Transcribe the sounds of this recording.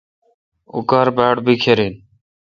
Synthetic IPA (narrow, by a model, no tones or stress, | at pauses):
ʊ̰kaːɾbaːɽbiːkʰeːɾiːn